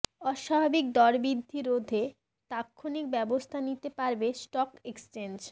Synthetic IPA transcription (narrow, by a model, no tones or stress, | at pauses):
ɔʃabʱabik̚d̪ɔɾbɾid̪ʱːiɾod̪ʱe | t̪akʰːonik̚bɛbost̪ʰanit̪epaɾbesʈɔkekst͡ɕend͡ʑ